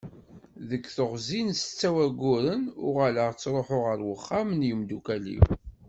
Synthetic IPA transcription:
ðəkːθəʁzinst͡sːæwæɡʊɾənʊʁaləʁt͡sːɾˤoħʊʁəɾwəχːamnjəmd̪ukælḭw

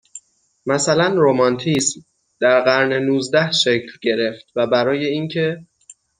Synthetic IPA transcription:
mæsælænɾomɒnt̪ʰism | d̪̥æɾɢæɾnenuːzd̪æhʃecʰlɟe̞ɾe̞ft̪̚væbæɾɒːje̞iːncʰe̞

